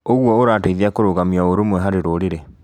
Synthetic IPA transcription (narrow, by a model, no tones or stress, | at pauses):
oɣwɔoɾaːteiðiakoɾoɣamiaoɾomwɛɦaɾeɾoɾeɾe